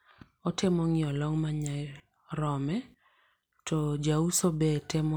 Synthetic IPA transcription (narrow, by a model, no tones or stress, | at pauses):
ɔtɪmɔŋɪɔlɔŋmaɲaɪ | ɾɔmɛ | tʰɔd͡ʒausobɛtɪm